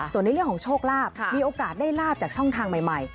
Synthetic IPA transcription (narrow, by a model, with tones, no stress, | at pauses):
su˨˩əna˧˦jɾəŋkʰːŋt͡ɕʰoː˥˩k̚laː˥˩p̚miː˧ʔoː˧kaː˨˩t̪̚daː˥˩jlaː˥˩p̚t͡ɕaː˨˩k̚t͡ɕʰɔ˥˩ŋt̪ʰaː˧ŋma˨˩jma˨˩j